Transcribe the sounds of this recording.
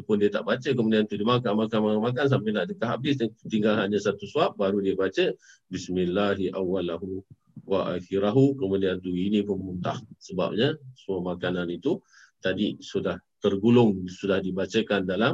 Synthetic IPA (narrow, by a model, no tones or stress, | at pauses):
pʊndiət̪a̰ʔbat͡ʃəkəmudiant̪udimakanmakanmamakans̬ampɪnaʔdəkaɦa̰bɪsdt̪iŋɡalɦaɲasat̪usuap̚baɾudiəbat͡ʃəbismɪlːaɦiʔawːalaɦu | waʔa̰xiɾaɦukəmudiant̪uinipʊnunt̪a̰hsəba̰p̚ɲasəmamakananit̪u | t̪adisudaht̪ərɡulʊŋsudahdibat͡ʃəkandala